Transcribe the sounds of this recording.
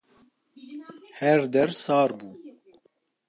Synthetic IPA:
hɛɾd̪ɛɾsɑːɾbuː

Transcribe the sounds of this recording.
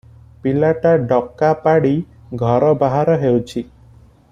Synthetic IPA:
pilaʈaɖɔkːapaɽi | ɡʱɔɾɔbaɦaɾɔɦewt͡ʃʰi

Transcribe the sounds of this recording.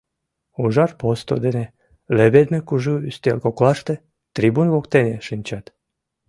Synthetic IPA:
uʒaɾpost̪o̰d̪ene | lebed̪mekuʒyst̪elkoklaʃt̪e | t̪ɾibunvokt̪eneʃɨnʲt͡ɕat̪

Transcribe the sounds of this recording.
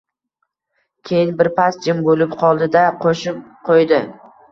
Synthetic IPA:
kʲʰejɪnbɪɾpʰasd͡ʒɪmbolɪpqʰɒlˠd̪ɪd̪aqʰoʃɪp̚qʰojd̪ɪ

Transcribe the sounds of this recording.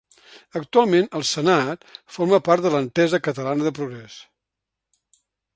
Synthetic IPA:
ək̚t̪ualˠmenəlˠsənat̪foɾməpaɾt̪d̪ələnt̪ɛzəkət̪əlanəðəpɾuɣɾɛs

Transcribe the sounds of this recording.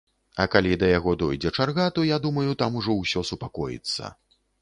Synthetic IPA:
ɐkalʲid̪ɐjaɣɔd̪ɔjd͡zʲɛt͡ʂarɣat̪ɔjad̪umɐjut̪amuʐɔwsʲɔsupakɔjḭt̪sːɐ̰

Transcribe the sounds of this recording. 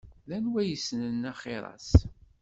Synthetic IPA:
ðænwæjəsnənːæχeɾˤɑ̰s

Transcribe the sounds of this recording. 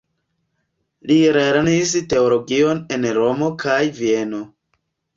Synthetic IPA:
liɾeɾniste̞olo̞ɡio̞ne̞nɾo̞mo̞kʰajvie̞no̞

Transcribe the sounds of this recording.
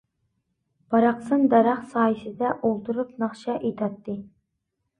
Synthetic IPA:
b̥ɑɾɑqsɨnd̪ɑɾɑχsɑːjisɪd̪ɛʔolˠt̪ʰuɾupnɑχʃɑʔet̪ʰɑt̪ʰːɨ

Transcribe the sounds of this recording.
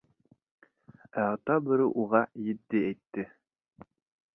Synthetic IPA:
æɑt̪ɑbɘ̆ɾɘʔuʁɑjɘ̆t̪ːɘæjt̪ːɘ

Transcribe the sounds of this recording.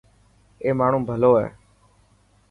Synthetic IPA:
eːmaːɳ̤ũːbʱəloːɦɛ̰ː

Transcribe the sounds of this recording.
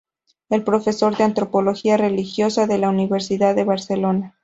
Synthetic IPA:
e̞lpɾo̞fe̞so̞ɾðeant̪ɾo̞po̞lo̞xiare̞lixjo̞saðe̞launiβe̞ɾsiðaðːe̞βaɾse̞lo̞na

